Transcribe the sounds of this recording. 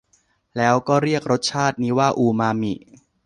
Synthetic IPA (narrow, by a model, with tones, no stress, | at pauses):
lɛː˦˥wkɔː˥˩ɾi˥˩ək̚ɾo˦˥t̪̚t͡ɕʰaː˥˩t̪̚niː˦˥waː˥˩ʔuː˧maː˧mḭ˨˩ʔ